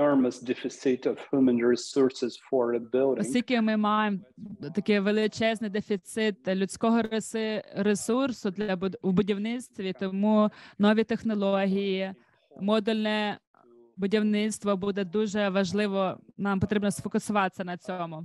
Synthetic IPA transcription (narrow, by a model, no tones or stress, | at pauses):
ɔɹməsdɛfɪsɪtɔv̥hjumə̃nɹisɔɹsɪz̥fɔɹbɪlˠdɔsŋʲtʲilʲkʲɪmɪmɑjemt̪ɐkɪʋelˠɪt͡ʃɛznɪjd̪efʲit̪sɪt̪̚lʲʉt͡sʲkɔɦɔ | ɾesursʊd̪lʲɐwbʊdʲiwnɪt̪st̪ʋʲit̪ɔmunɔʋʲit̪exnɔlˠɔɦʲiji | mɔd̪ulʲnɛ | bʊdʲiwnɪt̪st̪ʋɔbud̪ɛd̪uʒɛʋɐʒlˠɪʋɔnɑmpɔt̪ɾʲibnɔsfɔkʊsʊʋɑt̪e̥sʲːɐnɐt͡sʲɔmʊ